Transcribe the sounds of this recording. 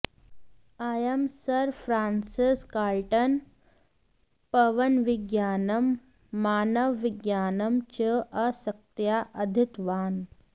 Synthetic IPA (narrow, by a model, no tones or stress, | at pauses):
ajɐmsɐɾfɾaːnsiskaːlʈɐn | pɐʋɐnʋiɡjaːnɐmː | aːnɐʋːiɡjaːnɐmt͡ʃəʔɐsɐk̚t̪jaːʔɐd̪ʱit̪ʋaːn